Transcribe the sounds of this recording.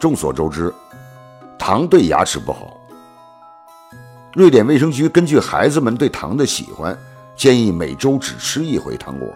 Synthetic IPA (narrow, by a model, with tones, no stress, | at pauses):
ʈ͡ʂʊ˥˩ŋswɔ̰˨˩ʈ͡ʂo˥ʊʈ͡ʂɻ̩˥ | t̪ʰɑ˧˥ŋt̪we˥˩ɪja̰˧˥ʈ͡ʂʰɻ̩˧˥pṵ˥˩xɑ̰˨˩˦ʊ | ɻwe˥˩ɪt̪jɛ˨˩nʋe˥˩ɪʂ̬ɤ˥ŋt͡ɕy˧˥kə˥nt͡ɕy˥˩xa˧˥ɪd͡zɹ̩˧mə˨˧nt̪we˥˩ɪt̪ʰɑ̰˧˥ŋd̪ə˧ɕḭ˨˩xwa̰˥n | t͡ɕjɛ˥˧ni˥˩me˨˩ɪʈ͡ʂo˥ʊʈ͡ʂɻ̩˨˩ʂɻ̩˥i˥˩xwḛ˧˥ɪt̪ʰɑ̰˧˥ŋkwɔ̰˥˩